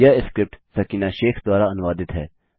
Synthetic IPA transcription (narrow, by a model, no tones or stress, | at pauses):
jaɪskɾɪp̚ʈsəkinaʃeːxʰd̪ʊaːɾaɐnʋaːd̪ɪt̪ɦɛː